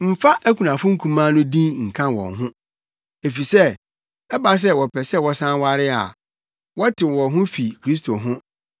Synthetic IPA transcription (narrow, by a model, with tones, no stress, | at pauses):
m̩˦fa˦ʔæ˦kʰu˨nã˨fʊ̃˦ŋ̩˦kʰũ˦mãː˦nʊ̃˦dĩ˦nŋ̩˨kʰã˦nwɔ̰̃˨nɦʊ̃˦ | e˨fi˨sɛ˦˨ | ɛ˦ba˨s̬ɛ˦wɔ˨pʰɛ˨sɛ˦˨wɔ˦sã˦nwa˦ɾɪ˦a̰˨ | wɔ˦tʰɪ̃˨wɔ̃˨ɦʊ̃˦fi˨kʰɾi˦stʰo˨ɦʊ̃˦